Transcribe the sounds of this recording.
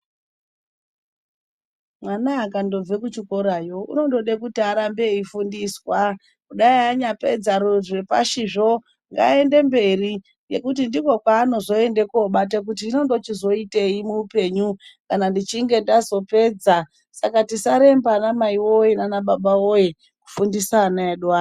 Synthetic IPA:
mwanaakando̞b͡vekut͡ʃikoɾajo̞ṵno̞ndo̞ɗekutiaɾambe̞ifundiswa | kuɗaiaɲape̞d͡zaɾuʐwe̞pa̰ʃiʐo̞ | ŋɡa̰e̞nde̞mbe̞ri | je̞̰kut̬indiko̞kwaːno̞zo̞e̞nde̞koɓat̬ek̬utiino̞ndo̞t͡ʃizo̞ite̞imuːpe̞ɲukanandit͡ʃiŋɡe̞ndazo̞pe̞ːd͡za | sakatisaɾe̞mbanamaiwojenanaɓaɓaoje | ku̥fundisaːnaeɗuaː

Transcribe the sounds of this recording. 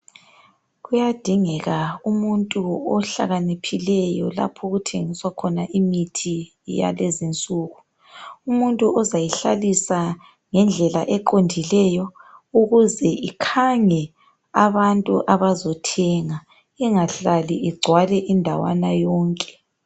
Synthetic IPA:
ɣujad̥ʱiŋɛɣaumuntʼuɔɬa̰ɣanipʰilɛjɔla̰pʰɔɣutʰeŋiswakʰɔnaʔimitʰi | ja̰lezint͡sʼuːɣu | umuntʼuɔzajiɬalisa | ŋɛnd͡ɮʱɛla̰ʔɛǃondʱilɛjɔuɣuzɛʔikʰaŋɛ | aβantʼuʔaβazɔtʰɛŋa | ɛŋaɬaliʔɛɡ͡ǀʱwalɛʔindʱawa̰najɔːŋkʼɛ̥

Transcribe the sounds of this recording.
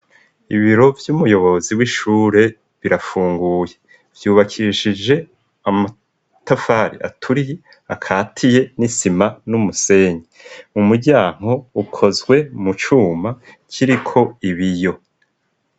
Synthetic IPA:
ḭβiɾo̞vjumujo̞βo̞ziwiʃuːɾe̞ | βiɾafuːŋɡuːje̞ | v̥juːβakʰiʃid͡ʒe̞ | ama | tafaɾḭʔa̰tʰuɾije | akʰaːtʰije̞nisimanumuse̞ːɲe | mumuɾɟaːŋ̥ho̞ukʰo̞zɡwe̞mut͡ʃuːma | cʰiɾikʰo̞iβijo̞

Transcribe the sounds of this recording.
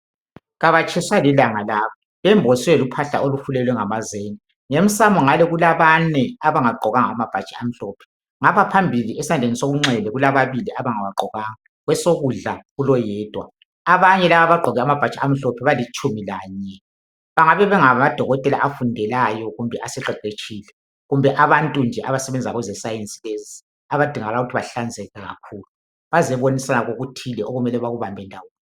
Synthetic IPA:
ɣaβat͡ʃʰʼɛswalilaŋalaβɔ | βɛmbʱɔswɛlupʰaɬa̰ʔoluhulɛlwɛŋamazeːni | ŋem̩samɔŋalɛɣulaβanɛaβaŋaɡ͡ǃʱɔɣaŋaamab̥ʱat͡ʃʼiam̩ɬɔːpʰɛ̥ | ŋapʰapʰambʱiliʔesiand͡ɮʱenisoɣuŋ͡ǁɛlɛɣulaβaβiliʔaβaŋawaɡ͡ǃʱɔɣaŋa | ɣwɛsoɣuɮa̰ɣulɔjɛːd̥ʱwa̰ | aβaɲɛlaβaβaɡ͡ǃʱɔɣɛamab̥ʱat͡ʃʰʼaam̩ɬɔpʰɛβalit͡ʃʼumilaːɲɛ | βaŋaβɛβɛŋamad̥ʱɔɣɔtʼɛlaʔafundʱɛlajɔɣumbʱɛʔasɛǁɛǃet͡ʃʰʼiːlɛ | ɣumbʱɛʔaβantʼund͡ʒʱɛʔaβasɛβɛnd͡zʱiaɣwɛzɛsajent͡sʼilezi | aβad̥ʱiŋaɣalauɣutʰiβaɬand͡zʱɛɣaɣa̰kʰuːlu | βazɛβonisanaɣoɣutʰilɛʔoɣumɛlɛβaɣuβambʱɛndʱawoːn

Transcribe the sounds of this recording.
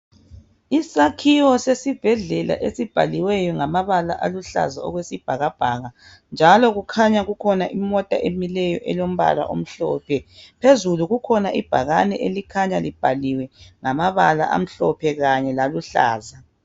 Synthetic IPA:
isakʰiwɔsesib̥ʱɛɮɛla̰ʔesib̥ʱaliwɛjɔŋamaβala̰ʔaluɬa̰zaɔ̰ɣwesib̥ʱaɣab̥ʱaɣa | nd͡ʒʱalɔɣukʰaɲaɣukʰɔnaʔimɔtʼa̰ʔemilɛjɔʔɛlom̩βa̰la̰ʔo̰m̩ɬɔ̰ːpʰɛpʰezuluɣukʰɔnaʔib̥ʱaɣanɛʔelikʰaɲalib̥ʱaliwɛŋamaβala̰ʔa̰m̩ɬɔpʰɛɣaɲɛlaluɬa̰ːza

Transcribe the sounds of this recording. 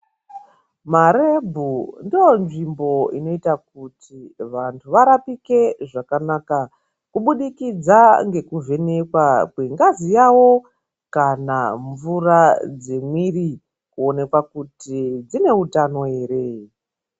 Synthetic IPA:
maɾe̞bʱundijo̞nʐimbo̞ino̞itak̚utʰiʋantʰuʋaɾapike̞ʐakanaːka | kuɓuɗikid͡zaŋɡe̞kuve̞ne̞kwakweŋɡazijawo̞ | kana̰ɱvurad͡ze̞mwiri | kuo̞ne̞kwakutid͡zine̞utano̞ɦe̞ːɾe̞

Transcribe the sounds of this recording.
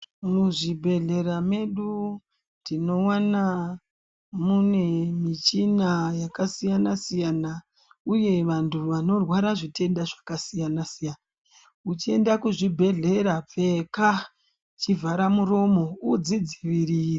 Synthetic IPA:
muʐibʱe̞ɮe̞ɾame̞ɗu | ndino̞wana | mune̞mit͡ʃinajakasijanasijana | uje̞ʋantʰuʋano̞rwaɾaʐite̞ndaʐakasijanasijana | ut͡ʃie̞ndakuʐibʱe̞ɮe̞ɾap͡fe̞ka | t͡ʃivʱaɾamuɾo̞mo̞ud͡zid͡ziʋiriːri

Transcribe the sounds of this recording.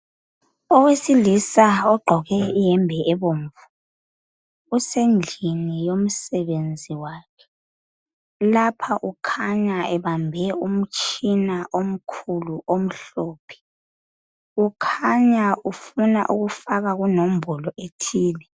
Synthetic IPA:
ɔwesilisaɔɡ͡ǃʱɔɣɛijɛmbʱɛɛβoɱ̩vu | usend͡ɮʱinijom̩sɛβend͡zʱiwaːkʰɛ̥ | lapʰaʔukʰaɲaɛβambʱɛum̩t͡ʃʰʼinaʔom̩kʰuluʔom̩ɬoːpʰɛ̥ | ukʰaɲaufuna̰ʔuɣufaɣaɣunom̩bʱɔlɔʔetʰiːlɛ

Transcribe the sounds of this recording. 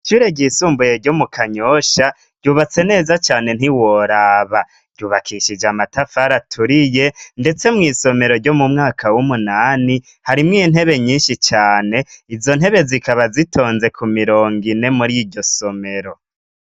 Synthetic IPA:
ʃuːɾe̞ɟisuːmbuje̞ɾɟo̞mukʰaɲoʃa | ɟ̥uːβat͡se̞ne̞ːzat͡ʃaːne̞n̥iwoɾaːβa | ɾɟuːβakʰiʃid͡ʒamatafaɾatʰuɾije̞nde̞t͡se̞mŋiːso̞me̞ɾo̞ɾɟo̞mumŋaːkʰawumunaːni | haɾimŋiːn̥e̞βe̞ɲiːnʃit͡ʃaːne̞izo̞n̥he̞βe̞zikaβazitʰo̞ːnze̞kumiɾoːŋɡine̞muɾiɟo̞so̞me̞ɾo̞

